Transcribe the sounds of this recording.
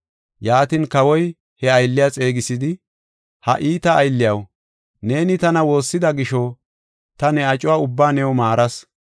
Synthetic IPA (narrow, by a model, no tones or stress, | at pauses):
jaːt̪ɪnkɐwɔj | hɛɐjlːɪjat͡sʼe̞ːɡɪsɪd̪ɪ | hɐ̰ʔiːt̪ɐːjlːɪjɐw | ne̞ːnɪt̪ɐnɐwo̞ːsːɪd̪ɐɡɪʃɔ | t̪ɐnɛɐt͡ʃʼʊwaːʊbːaːnɛwmaːɾɐs